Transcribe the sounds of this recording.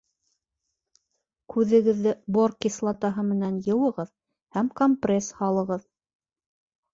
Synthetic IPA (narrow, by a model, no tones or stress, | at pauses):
kʰʉðɘ̆ɡɘ̆ðːɘborkːislˠɑt̪ɑɦɤmɘ̆nænjɤ̆wɤ̆ʁɤð | hæmkomprʲeshɑlˠɤ̆ʁɤð